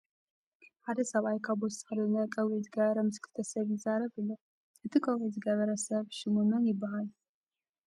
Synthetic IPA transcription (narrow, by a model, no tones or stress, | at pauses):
ħad̪ɐsɐβajkʰaβɔst̪ʰʼɨ̥xɨlɨnɐkʼɐwezɨɡɐβɐɾɐmɨskʰɨ̥t̪ʰɐsɐβjɪzaɾɐβɨlːo | ʔɨt̪ʰikʼɐwezɨɡɐβɐɾɐsɐβʃɨmunɐnjɪbːaɦal